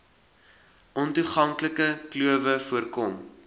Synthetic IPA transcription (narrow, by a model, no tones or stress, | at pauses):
ʔɔntuχɐŋkləkəkluəvəfuərkɔm